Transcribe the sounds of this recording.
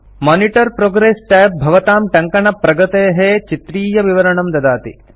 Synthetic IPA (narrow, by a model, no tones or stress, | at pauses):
maːniʈɐɾpɾoːɡɾeːsʈaːp̚bʱɐʋɐt̪aːmʈɐŋkɐɳɐpɾɐɡɐt̪eːɦeːt͡ʃit̪ɾiːjɐʋiʋɐɾɐɳɐmd̪ɐd̪aːt̪ḭ